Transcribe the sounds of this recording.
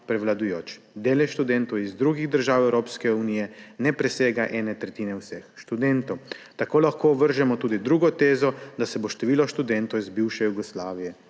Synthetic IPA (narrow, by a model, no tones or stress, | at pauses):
pɾɛwlad̪ujoːt͡ʃ | d̪eːlɛʃt̪ud̪ɛnt̪ɔwizd̪ɾuːɡiɣd̪əɾʒaːwɛwɾoːpskɛunijɛnɛpɾɛseːɡaʔɛːnɛt̪ɾɛt̪iːnɛwsɛxʃt̪ud̪ɛnt̪ɔwt̪akoːlaxkoːʋəɾʒɛmɔt̪uːd̪id̪ɾuːɡɔt̪eːzɔd̪asɛboʃt̪ɛʋiːlɔʃt̪ud̪ɛnt̪ɔwizbiwʃɛjuɡɔslaːʋijɛ